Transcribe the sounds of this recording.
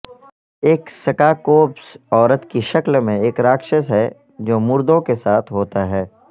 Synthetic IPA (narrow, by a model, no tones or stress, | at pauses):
eːksɐkaːkoːpsɔːɾət̪kiʃɐklmẽeːkɾaːkʃəsɦɛ | d͡ʒoːmʊɾd̪õkesaːt̪ʰɦoːt̪aɦɛː